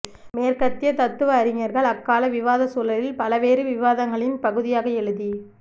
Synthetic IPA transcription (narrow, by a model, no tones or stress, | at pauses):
meːɾkɐt̪ːɪjɐt̪ɐt̪ːɯʋɐːɾɪŋɐɾɣɐɭɐkːaːlɐʋɪʋaːðɐsuːlɐlɪlpɐlɐʋeːɾɯʋɪʋaːðɐŋɡɐɭɪnpɐɣɯðɪjaːɣɐɛɻɯði